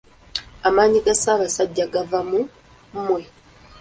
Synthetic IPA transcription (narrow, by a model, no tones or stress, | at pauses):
amaːɲiɡasaβasaɟːaɡavamu | m̩mwe